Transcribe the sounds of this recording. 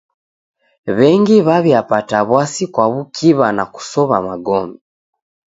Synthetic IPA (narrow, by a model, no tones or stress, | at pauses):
βɛŋɡiβaβjapataβwasikwaβukʰiβanaku̥sɔβamaɡɔmi